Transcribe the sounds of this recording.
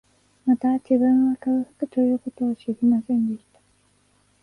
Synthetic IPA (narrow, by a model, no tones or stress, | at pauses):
mat̪ad͡ʑiβɯ̃ɰ̃βakaɯ̟hḁkɯ̟t̪o̞jɯ̟ːko̞t̪o̞ːɕiɡʲimasẽ̞nd̪e̞ɕi̥t̪ḁ